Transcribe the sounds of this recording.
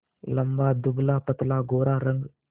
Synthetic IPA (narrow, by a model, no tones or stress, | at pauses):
lɐmbaːd̪ʊblaːpət̪laːɡoːɾaːɾəŋɡ